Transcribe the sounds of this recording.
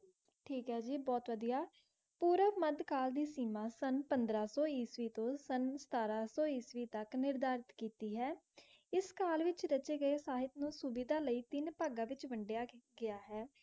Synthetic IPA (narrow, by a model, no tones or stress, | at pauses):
ʈʰiːkɦɛːd͡ʒiːbɔːt̪ʋəd̪ijaː | puːɾəməd̪kaːld̪iːsiːmaːsənpənd̪ɾaːsɔːiːsʋiːt̪õːsənsə̥t̪aːɾaːsɔːiːsʋiːt̪əknɪɾd̪aːɾɪt̪kiːt̪iːɦɛː | ɪskaːlʋɪt͡ʃɾət͡ʃeːɡəeːsaːɦɪt̪nũːsuːbid̪aːləiːt̪ɪnpaːɡaːʋɪt͡ʃʋəɳɖɪjaːɡɪaːɦɛː